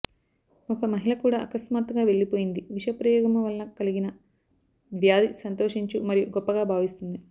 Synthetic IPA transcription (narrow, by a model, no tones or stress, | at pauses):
ɔkɐmɐɦilɐkuːɽaːʔɐkɐsmaːt̪ɡaːʋe̞ɭːipoːjind̪iʋiʂɐpɾɐjɔːɡɐmuʋɐlːɐkɐliɡinɐ | ʋjaːd̪isɐnt̪o̞ːʂiɲt͡ʃumɐɾijuɡɔpːɐɡaːbʱaːʋist̪und̪i